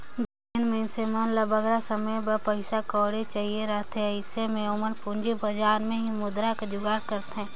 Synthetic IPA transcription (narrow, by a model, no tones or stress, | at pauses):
d̪ | enmensemənləbəɡɾasəməjbəpəɪsakɔːɾet͡ʃaɦieɾəɦt̪ɦɛɪsemẽoməɾpũɲd͡ʒebɐd͡ʒaːɾmẽɦimʊd̪ɾakad͡ʒʊɡaːɽkəɾt̪ɦɛ̃ː